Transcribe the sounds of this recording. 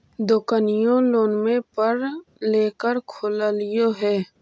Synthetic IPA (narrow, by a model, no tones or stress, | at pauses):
d̪oːkənɪjõloːnmẽpəɾleːkəɾkʰoləlɪjoɦɛː